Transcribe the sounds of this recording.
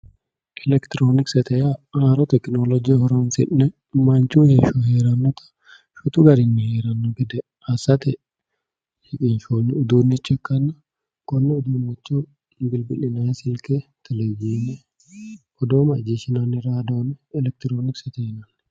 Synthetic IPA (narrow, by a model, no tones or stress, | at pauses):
ʔɛlɛkt̪ɪɾoːnɪksɛt̪ɛjaaːɾɔt̪ɛknoːlɔd͡ʒihɔɾonfɪ̰ʔnɛ | mːɐnt͡ʃuːhɪʃɔɦeːɾɐnːɔt̪ʰɐ̥ | ʃʊt̪ʊɡɐɾɪnːɪheːɾɐnːɔɡɪd̪ɛ | ɐsɐt̪ɛ | ʃɪkʼinʃoːnːɪʊd̪uːnɪt͡ʃːɛkːɐnːɐ | kɔnːɛʊd̪umːɐt͡ʃːu | bɪlbɪlɪnaːsɪlkɛt̪ʰɛlɛd͡ʒiːnɛ | ɔd̪oːmɐd͡ʒiʃɪnanːɪɾad̪oːnɛlɛk̚t̪ɪɾoːnɪksɛt̪ɛjnɐn